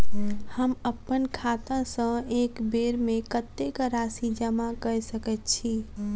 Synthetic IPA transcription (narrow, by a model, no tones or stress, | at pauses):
həməpːənkʰat̪ãsə̃ekbeɾmekət̪ːekɾasid͡ʒəmakəsəkɛt̪t͡ʃʰi